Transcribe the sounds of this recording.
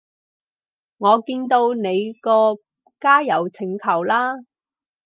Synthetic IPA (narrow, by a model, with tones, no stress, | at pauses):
ŋɔː˨˧kiː˧nt̪o˧wne˨˧jkɔː˧ | kaː˥jɐ˨˩wt͡sʰɪ˨˩ŋkʰɐ˨˩wlaː˥